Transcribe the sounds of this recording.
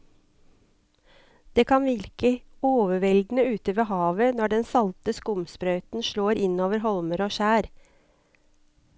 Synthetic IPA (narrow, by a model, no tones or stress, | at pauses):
d̪̥eːkʰɑnʋɪɾkəoːʋəʋɛld̪n̩əʉːt̪əʋeːɦɑːʋənɔɖɛnsɑlt̪əskʊmspɾœʏt̪n̩ʃɭoːɾɪnoːʋəɾɦɔlməɾoːʃæːɾ